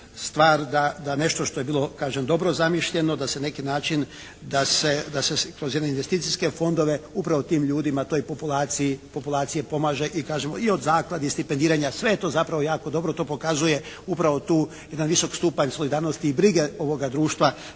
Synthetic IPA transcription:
st̪ʋaːɾd̪ad̪ane̞ʃt̪o̞ʃt̪ojebiːlˠo̞kaːʒemd̪o̞bɾo̞zamiʃʎe̞no̞d̪aseanekinaːt͡ʃin | d̪ased̪asekɾozjed̪neinʋe̞st̪iːt̪siske̞fo̞nd̪o̞ʋe̞upɾaʋot̪iːmʎuːd̪imat̪o̞ːjpopulˠaːt̪siipo̞pulˠaːt̪sijepo̞maːʒe̞ʔikaːʒemoio̞d̪zaːklˠad̪ist̪ipend̪iːɾaɲasʋe̞jet̪o̞ːzapɾaʋojaːkod̪o̞bɾo̞t̪o̞ːpo̞kazuje̞ | upɾaʋo̞t̪uː | je̞d̪anʋiso̞kst̪upaɲso̞lid̪aːɾnost̪iːbɾiɡe̞o̞ʋo̞ɡad̪ɾuːʃt̪ʋa

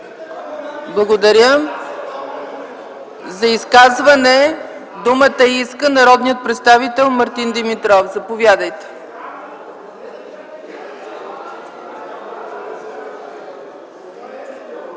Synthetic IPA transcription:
blˠɐɡod̪ɐɾʲjə | zɐiskazvɐnɛ | d̪umət̪əiskənɐɾɔd̪nijət̪̚pɾɛt̪st̪avit̪ɛlˠmɐɾt̪ind̪ɛmit̪ɾɔfzɐpovjad̪əjt̪ɛ̥

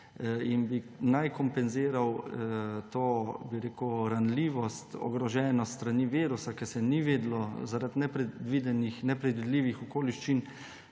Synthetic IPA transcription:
inbinajkɔmpɛnziːɾaw | t̪oːbiɾeːkɾanliːʋɔst̪ɔ̰ɡɾɔʒɛːnɔst̪ɾaniʋiːɾusakɛɾsɛniʋeːd̪lɔzaɾat̪nɛpɾɛd̪ʋid̪ɛnixnɛpɾɛd̪ʋid̪liːʋixɔkoːliʃt͡ʃin

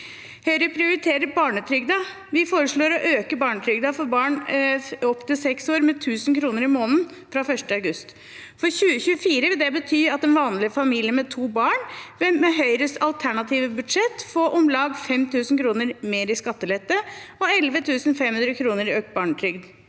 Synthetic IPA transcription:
hœʏɾəpʰɾɪʊɾɪt̪ʰeːɾəbɑːɳət̪ʰɾʏɡd̪ɑ | ʋɪfoːɾəʂɭoːɾɔʔøːkəbɑːɳət̪ʰɾʏɡd̪ɑfɔɾbɑːɳ | ɔpt̪ɪsɛksoːɾmɛt̪ʰʉːsənkʰɾuːnəɾɪmoːnn | fɾɑːfœʂʈəɑʉɡʉst̪ | fɔɾçʉːəçʉːəfiːɾəʋɪld̪ɛbət̪ʰyːɑt̪ɛnʋɑːnlɪfɑmiːlɪəmɛt̪ʰuːbɑːɳʋmɛɦœʏɾəsɑlt̪ʰæɳɑt̪ʰiːʋəbʉd̪ʂɛt̪ːfoːʔɔmlɑɡfɛmt̪ʰʉːsn̩kʰɾuːnəɾmeːɾɪskɑt̪ːəlɛt̪ːəɔɛlʋət̪ʰʉːsnfɛmhʉnɾəkʰɾuːnəɾɪøːk̚t̪̚bɑːɳət̪ʰɾʏɡd̪

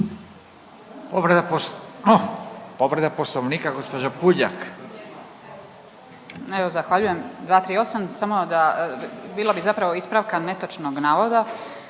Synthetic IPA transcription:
poʋɾed̪aponopoʋɾed̪aposloʋniːkaɡospod͡ʒapuʎa̰k | eʋozaxʋaʎujemd̪ʋaːt̪ɾiːo̞samsamo̞d̪abiːlabizapɾaʋo̞ispɾaʋkane̞t̪ot͡ʃnoɡnaːʋo̞d̪a

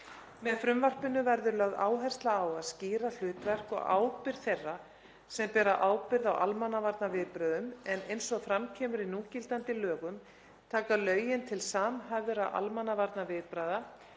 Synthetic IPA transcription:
mɛðfɾʏmvar̥pɪnːʏvɛɾðʏɾlœɣða̰ːwɦɛr̥st̪laːwaðsciːɾal̥ʏːt̪vɛr̥kɔ̰ɣa̰ːwpɪɾ̥θejrːa | sɛmpɛːɾaʔaːwpɪɾðawʔalmanːavaɾt̪navɪðpɾaːðʏmɛnejnsɔɣfɾamcʰɛːmʏɾinuːcɪlt̪ant̪ɪlœːɣʏm | t̪ʰaːkalœːɥjɪnt̪ʰɪlsaːmɦaðʏɾawʔa̰lmanːavaɾt̪navɪːðpɾaːjða

